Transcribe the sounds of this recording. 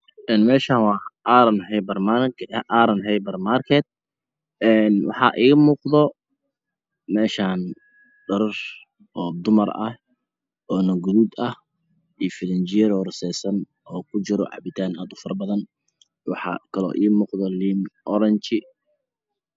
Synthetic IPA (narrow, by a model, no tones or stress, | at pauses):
ʔɛːnmɛːʃaːnwɑːʔaɾɐnhɛjbɐrmaaɾɐnɦɛjbɐrmarkʰɛt̪̚ | ɛːnwɑ̰ħɑ̰ʔiːɣɐmuːqðɔ | mɛːʃaːn | ɖɐɾɐr | ɔːd̪ʊmɐrɐ̰h | ʔɔːnɐɡʊðuːd̪ɐh | ʔijfɪlɐɲt͡ʃɪjɐɾɔːrsɛːsɐn | ɔːkʰʊt͡ʃɪɾɔ̰ʕɑ̰βɪt̪ʰaːnaːd̪ʊfɐrbɐðɐn | wɑħɑ̰kʰɐlɔ̰ːʔḭːmuːqðɔliːmʔɔɾɛnt͡ʃɪ